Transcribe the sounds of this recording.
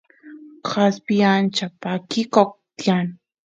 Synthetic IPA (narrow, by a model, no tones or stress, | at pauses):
xaspijant͡ʃapakɪkok̚t̪jan